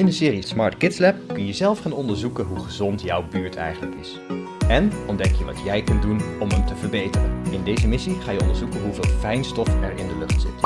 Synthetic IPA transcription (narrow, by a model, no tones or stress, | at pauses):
ɪndəsɪːrismɑɹtkɪtslɛp̚kɵnjəzɛlˠfχaːnɔndəɹzukənɦuχəzɔntjɑwbyːɹtʰɛ̰jχənləkɪs | ɛnɔndɛkjəʋɑ̰tjɛjkɵndunɔməmtəvəɹbejtərə̰nɪndejzəmɪsiχaːjəɔ̰ndəɹzukənɦuvɪːlˠfɛjnstɔfɛɹɪndəlɵχtsɪ̰t